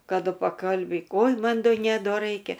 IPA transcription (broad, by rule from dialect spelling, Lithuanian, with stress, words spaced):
kɐˈdʊ pɐˈkɐlʲbʲiːk oːj ˈmɐn ˈdoː ˈnʲɛ ˈdoː ˈrɐɪkʲɛ